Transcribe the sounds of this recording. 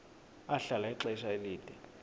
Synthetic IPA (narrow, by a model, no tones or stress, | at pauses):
aɬalaɛǁɛiʃaeliːd̥ʱɛ